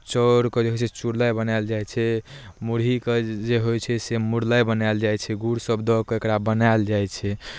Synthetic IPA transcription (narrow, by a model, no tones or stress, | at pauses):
t͡ʃɔɾkɔd͡ʒeɦojt͡ʃʰɛt͡ʃuɾləjbənajld͡ʒajt͡ʃʰɛ | muɽɦiked͡ʒeɦojt͡ʃʰɛsemuɾləjbənald͡ʒajt͡ʃʰɛɡuɾsəbd̪ɔkɔekɾabənajld͡ʒajt͡ʃʰɛ